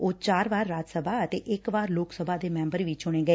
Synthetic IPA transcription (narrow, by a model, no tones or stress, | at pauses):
oːt͡ʃaːɾʋaːɾːaːd͡ʒsəbʱaːət̪eːʔɪkʋaːɾloːksəbʱaːd̪eːmɛ̃ːmbəɾʋɪt͡ʃʊɽ̃eːɡəeː